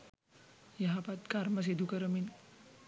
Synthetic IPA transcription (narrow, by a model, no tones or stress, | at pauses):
jaɦapat̪kaɾməs̬id̪ʱukəɾəmin